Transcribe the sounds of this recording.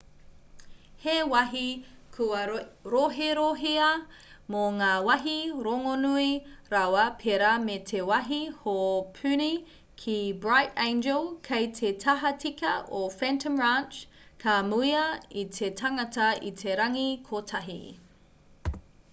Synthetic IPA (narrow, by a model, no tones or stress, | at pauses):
hewɐɦi | kʰuɐɾoɦeɾoɦiɐ | moŋaːwɐɦiɾoŋonuiɾawɐpʰeɾametʰewɐɦihopʰʉni | kʰibɹajtɛ̃nd͡ʒəlˠkʰejtʰetʰɐɦɐt͡sikɐʔofɛntʰəmɹant͡ʃ | kʰamuiɐitʰetʰɐŋɐtɐḭtʰeɾɐŋikʰotʰɐɦḭ